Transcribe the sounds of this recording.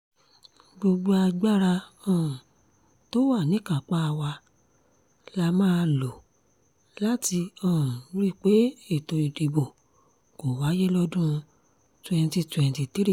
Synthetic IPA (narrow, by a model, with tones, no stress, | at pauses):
ɡ͡bo˧ɡ͡bo˧a˧ɡ͡ba˦ɾa˧ɔ̃˨ | to˦wa˦˨nĩ˨˦ka˨k͡pa˦˧wa˧ | la˧mãː˦˧lo˨ | la˦ti˧ɔ̃˨˦ɾi˦˨k͡pe˨˦e˦˨to˧i˨de˨bo˨ | ko˨wa˨˦je˦lɔ˦dũ˦˧ | twɛ̃˧n˧ti˧twɛ̃˧n˨ti˨ti˦ɾi˦